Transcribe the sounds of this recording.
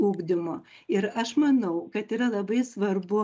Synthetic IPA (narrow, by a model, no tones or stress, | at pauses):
uːɡd̪ʲɪmoːɪɾɐʃmɐnɐʊkɐt̪iːɾɐlˠɐbɐɪsʋɐrbʊ